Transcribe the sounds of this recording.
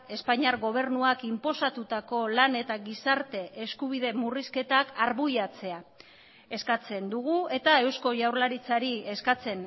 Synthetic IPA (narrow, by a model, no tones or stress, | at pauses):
e̞spaɲaɾɣo̞β̞e̞ɾnuakimpo̞sat̪ut̪ako̞lane̞t̪aɣisaɾt̪e̞ʔeskuβ̞iðe̞muriske̞t̪akaɾβujat͡se̞a | e̞skat͡se̞nd̪uɣue̞t̪ae̞wsko̞ʝawɾlaɾit͡saɾie̞skat͡se̞n